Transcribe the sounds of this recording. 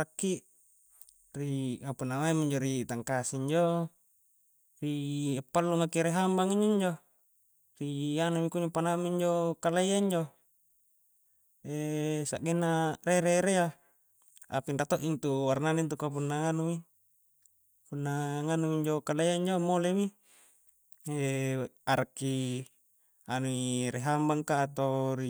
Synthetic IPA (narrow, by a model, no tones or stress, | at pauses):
akːiʔ | riŋapunːamaimiɲd͡ʒoɾit̪aŋkasiiɲd͡ʒo | ripːalːumakiɾeɦambaŋiɲd͡ʒoiɲd͡ʒo | rianumikuɲopanamiɲd͡ʒokalejaiɲd͡ʒo | esa̰ʔɡenːareɾeɾea | a̰pindat̪oʔint̪uwarnanint̪ukap̬unːaŋanumi | punːaŋanuiɲd͡ʒokalejaiɲd͡ʒomolemi | eaɾakːi | anuiɾeɦambaŋkaːt̪oɾi